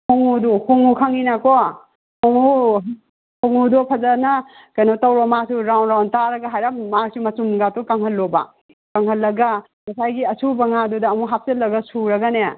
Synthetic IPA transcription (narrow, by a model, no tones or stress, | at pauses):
kʰoŋuduhʰoŋukʰaŋinakɔ | koŋu | koŋudɔpʰɐzana | kɐjnotawɾɔmasuɾawnɾawntaɾɐɡaɦajɾammasumɐtumɡatukɐŋhɐlːobɐ̰ | kɐŋhɐlːɐɡa | mɐsajɡiɐsubɐŋadudɐːmuɦap̚ʰselːɐɡɐsuɾɐɡane